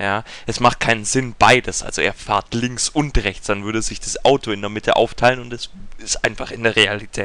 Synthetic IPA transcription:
jaː | ʔɛsmaχt̚kʰaɪnənzɪnb̥aɪdəsʔa̰lz̥oʔeːɐfa̰ɐtlɪŋksʔʊntʁɛçt͡sd̥anvʏɐdəzɪçd̥asʔaʊtoɪndeːɐmɪtʰəʔa̰ʊftʰaɪlənʊntɛsɪstʔaɪnfaχɪndeːɐʁealitʰɛːt

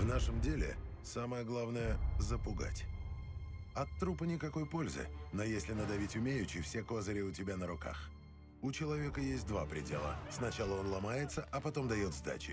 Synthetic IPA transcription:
vnaʂəmdʲelʲɪ̰ | saməjəɡlˠavnəjəzəpʊɡa̰tʲ | ɐt̪ːɾupənʲɪkɐko̞jpo̞lʲzɨ̰nojesʲlʲɪnəd̪ɐvʲitʲʊmʲejʉt͡ɕːɪjfsʲeko̞zəɾʲɪʊtʲɪbʲanəɾʊka̰x | ʊt͡ɕɪlˠɐvʲe̞kəjesʲt̚ʲd̪va̰pɾʲɪ̰dʲe̞̰lˠə̰snɐt͡ɕalˠəo̞nlˠɐmajɪt̪səʔɐpɐt̪o̞md̪ɐjo̞t̪zd̪a̰t͡ɕɪ̰

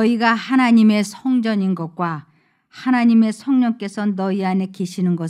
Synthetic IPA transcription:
ʌiɡahanaɲime̞sʰʌŋd͡ʑʌɲinɡʌk̚k͈wa | hanaɲime̞sʰʌŋɲʌŋk͈e̞sʰʌnʌiane̞keɕʰinɯnɡʌ

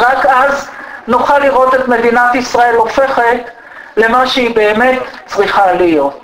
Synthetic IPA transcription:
ʁakʔaznoχaliʁo̞t̪e̞t̪me̞d̪inat̪isʁae̞lofe̞χet̪ | le̞maʃehibe̞ːme̞t̪t͡sʁiχalijot̪

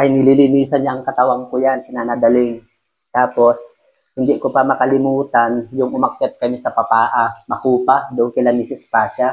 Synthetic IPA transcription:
ʔɐjnɪlilɪniːsɐnɲaʔɐŋkɐt̪ɐwaŋkojansɪnanad̪ɐlɪŋ | t̪aːpo̞s | hɪnd̪ɪkopɐmɐkɐlɪmuːt̪anjʊŋʔʊmɐk̚kɛt̪̚kɐmɪsɐpɐpaːʔamɐhuːpad̪ʊŋkɪlanisɪspaːʃa

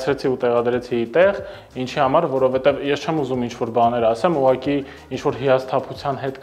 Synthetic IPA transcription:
t͡sʰɾɛt͡sʰiut̪ɛʁɑd̪ɾɛt͡sʰiːt̪ɛʁ | int͡ʃʰihɑmɑɾvɔɾɔvɛt̪ɛvjɛst͡ʃʰɛmuzumint͡ʃʰvɔɾbɑnɛɾɑsɛmuʁɑki | int͡ʃʰvɔɾɦiɑst̪ʰɑpʰut͡sʰjɑnɦɛt̪

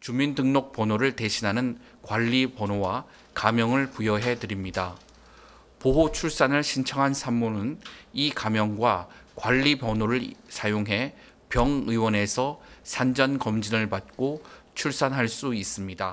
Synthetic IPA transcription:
t͡ɕumindɯŋnok̚p͈ʌnoɾɯɭte̞ɕʰinɦanɯn | kwaʎːipʌnowa | kamjʌŋɯɭpujʌɦe̞dɯɾimɲida | poɦot͡ɕʰuɭs͈anɯɭɕʰint͡ɕʰʌŋɦansʰamːonɯnikamjʌŋɡwakwaʎːipʌnoɾɯɭsʰajoŋɦe̞ | pjʌŋɯiwʌne̞sʰʌsʰand͡ʑʌnkʌmd͡ʑinɯɭpat̚k͈ot͡ɕʰuɭs͈anɦaɭs͈uis͈ɯmɲida

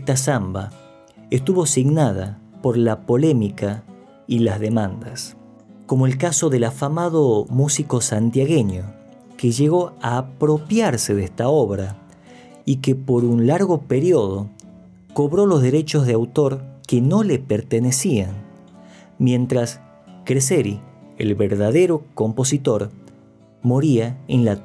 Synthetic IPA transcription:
est̪asamba | est̪uβo̞siɣnað̞apo̞ɾlapo̞le̞mika | ilazðe̞mãnd̪as | ko̞moelkaso̞ðe̞lafamaðomusiko̞sant̪jaɣe̞ɲo | keʒe̞ɣo̞aːpɾo̞pjaɾseðest̪ao̞βɾa | ikepo̞ɾunlaɾɣo̞peɾioð̞o | ko̞βɾo̞lo̞zðe̞ɾe̞t͡ʃo̞zðeawt̪o̞ɾkeno̞le̞peɾt̪enesian | mje̞nt̪ɾas | kɾeseɾiḛlβeɾðaðe̞ɾoko̞mpo̞sit̪o̞ɾ | mo̞ɾiaenla

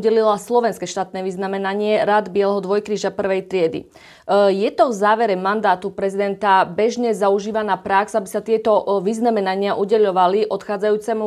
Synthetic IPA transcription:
ɟɛlilaslɔʋɛnskɛʃt̪aːt̪nɛːʋiznamɛnaɲɪɛɾad̪bɪɛlɛɦɔd̪ʋɔjkɾiːʒapr̩ʋɛjt̪ɾɪɛd̪ḭ | jɛt̪ɔvzaːʋɛɾɛmand̪aːt̪upɾɛzid̪ɛnt̪abɛʒɲɛzauʒiːʋanaːpɾaksabisat̪ɪɛt̪ɔʋiznamɛnaɲɪaʔuɟɛʎɔʋaliʔɔt̪xaːd͡zajuːt͡sɛmu

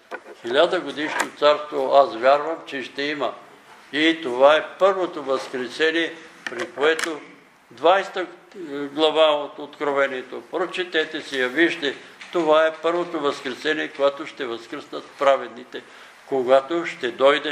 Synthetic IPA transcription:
xilʲad̪əɡod̪iʃnot̪saɾst̪voasvʲjaɾvəmt͡ʃɛʃt̪ɛimɐ | it̪ovaɛpɤɾvot̪ovɐskɾɛsɛniɛpɾikoɛt̪o | d̪vajst̪ə | ɡlˠɐvaot̪ot̪kɾovɛniɛt̪opɾot͡ʃɛt̪ɛt̪ɛsɛjɐviʃt̪ɛt̪ovaɛpɤɾvot̪ovɐskɾɛsɛniɛkoɛt̪oʃt̪ɛvɐskɾəsnət̪pɾavɛd̪nit̪ɛ | koɡat̪oʃt̪ɛd̪ɔjd̪ɛ

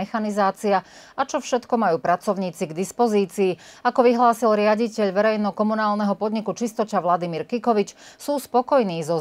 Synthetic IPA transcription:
ɛxanizaːt͡sia | at͡ʃɔfʃɛt̪kɔmajuːpɾat͡sɔʊɲiːt͡siɡd̪ispɔziːt͡siːakɔʋiɦlaːsilɾɪaɟicɛʎʋɛɾɛjnɔkɔmunaːlnɛɦɔpɔd̪ɲikut͡ʃist̪ɔt͡ʃaʋlad̪imiɾkikɔʋit͡ʃsuːspɔkɔjniːzɔ

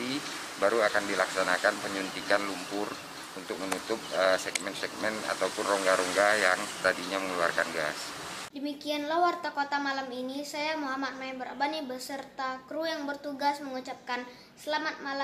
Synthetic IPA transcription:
i | baɾuakandilaksanakanpəɲunt̪ikanlumpʊr | unt̪ʊk̚mənut̪ʊp̚əsɛɡmɛnsɛk̚mɛna̰t̪awpʊnrɔŋɡaɾɔŋɡajaŋst̪adiɲaməŋlua̰rkanɡas | dəmikianlahwart̪akot̪amalaminisajamuɦamat̪̚maɛnbəɾa̰banibəsərt̪akɾujaŋbərt̪uɡasməŋut͡ʃap̚kan | səlamat̪̚mala

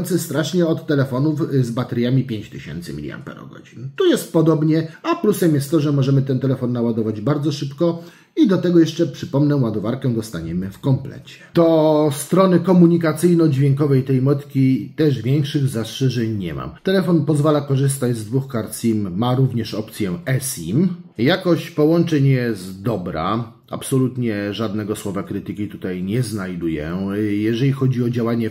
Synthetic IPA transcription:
nt̪sɛst̪ɾaʂɲɛɔt̪ːɛlɛfɔnufzbat̪ɛɾʲjamʲipʲjeɲt͡ɕt̪ɘɕɛ̰nt̪sɘ̰mʲḭlʲja̰mpɛ̰ɾɔ̰ɡɔ̰d͡ʑint̪ujɛst̪̚pɔd̪ɔbɲɛaplusɛmjɛst̪t̪ːɔʐɛmɔʐɛmɘt̪ɛnt̪ɛlɛfɔnːawad̪ɔvad͡ʑbaɾd̪zɔʂɘpkɔ | id̪ɔt̪ɛɡɔjɛʂt͡ʂɛpʂɘpɔmnɛwad̪ɔvaɾkɛd̪ɔst̪aɲɛmɘfkɔmplɛ̰t͡ɕɛ̥d̪̥ɔst̪ɾɔnɘkɔmuɲikat̪sɘjnɔd͡ʑvʲjɛŋkɔvɛjt̪ɛjmɔt̪kʲit̪ɛʐvʲjɛŋkʂɘɣzastʂɛʐɛɲɲɛ̰ma̰mt̪ɛlɛfɔnpɔzvalakɔʐɘst̪ad͡ʑzd̪vuxkaɾt̪sʲimːaɾuvɲɛʂɔpt̪sʲjɛɛsimjakɔɕt͡ɕpɔwɔnt͡ʂɛɲjɛzd̪ɔbɾa̰ | a̰psɔlut̪ɲɛʐad̪nɛɡɔswɔvakɾɘt̪ɘkʲit̪ut̪ajɲɛznajd̪ujɛ̰jɛʐɛlʲixɔd͡ʑiɔd͡ʑawaɲɛ

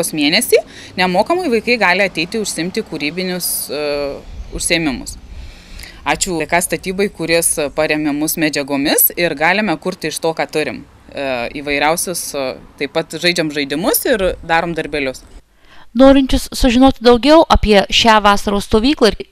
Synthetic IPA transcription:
oːsmʲiɛnʲɛsʲiː | nʲɛmoːkɐmɐɪʋɐɪkɐɪɡɑːlʲɪɐt̪ʲɛɪt̪ʲɪʊʃʲsʲɪɪmʲt̪ʲɪkuːɾʲiːbʲɪnʲʊs | ʊʃʲsʲeːmʲɪmʊ̰s | ɑːt͡ʃʲʊːkɑːst̪ɐt̪ʲiːboɪkʊɾʲɪspɐɾʲɛmʲɪmʊsmʲɛd͡ʒʲɛɡoːmʲɪsɪɾɡɑːlʲɪmʲɛkʊɾt̪ʲɪʃt̪oːkɑːt̪ʊɾʲɪ̰m | iːʋɐɪɾʲɛʊsʲʊst̪ɐɪpɐt̪ʒɐɪd͡ʒʲɛmʒɐɪd̪ʲɪmʊsɪɾd̪ɑːɾoːmd̪ɐɾʲbʲɛlʲʊs | noːɾʲɪnʲt͡ʃʲʊssʊʒʲɪnoːt̪ʲd̪ɐʊɡʲɛʊʔɐpʲiɛʃʲæːʋɑːsɐɾoːsst̪oːʋʲiːklˠɐ

